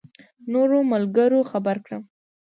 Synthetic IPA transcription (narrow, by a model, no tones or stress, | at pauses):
noɾomalɡəɾoxabaɾkɽə